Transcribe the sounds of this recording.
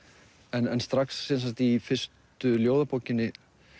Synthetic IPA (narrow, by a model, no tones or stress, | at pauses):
ɛnɛnst̪ɾaksːɛnsat̪ifɪr̥st̪ʏljoːwðapoːwcɪnːɪ